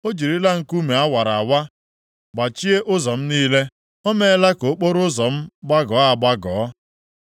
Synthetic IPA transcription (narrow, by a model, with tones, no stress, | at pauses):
o˦d͡ʒi˨ɾi˦la˦ŋ̩˨ku˦me˨a˦wa˨ɾa˨a˨wa˦ | ɡ͡ba˨t͡ʃi˦e˦ʔʊ˦zɔ˨m̩˦niː˦le˦ | ɔ˦me˦la˦ko˨˦k͡po˦ɾʊ˦zɔ˨m̩˦ɡ͡ba˦ɡɔ˨˦a˨ɡ͡ba˦ɡɔː˨˦